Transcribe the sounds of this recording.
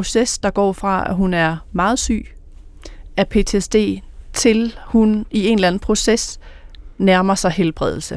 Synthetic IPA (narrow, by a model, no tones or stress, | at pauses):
o̝sesd̥ɑ̈ɡ̥ɒ̰ːfʁɑ̈æ̰ɦunæɐmɑ̈ːð̞̩ˠsy̰ː | æɐpʰe̝̰ːt͡sʰesd̥e̝̰ːt͡sʰe̝lhunie̝nlæn̩pʰʁo̝ses | næɐmɐsɑ̈ɪɦelb̥ʁɛð̞ˠl̩sə